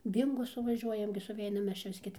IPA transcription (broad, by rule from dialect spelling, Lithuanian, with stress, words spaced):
ˈbʲiːŋɡoː sʊʋɐˈʒʲuɔjɛm ɡʲɪ sʊˈʋʲɛɪnɐm ˈmʲɛs ˈt͡ʃʲɛ ʋʲɪs ˈkʲɛt